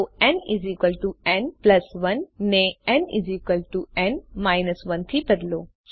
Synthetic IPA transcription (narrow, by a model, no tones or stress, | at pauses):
oɛ̃nizikəlʈuɛ̃nplɐsʋɐnːẽɛ̃nḭzikəlʈuɛ̃nmaːjnəsʋɐnt̪ʰibɐd̪loː